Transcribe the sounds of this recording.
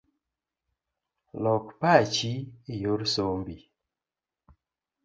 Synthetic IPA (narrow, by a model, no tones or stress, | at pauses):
lɔkpat͡ʃiejoɾsombi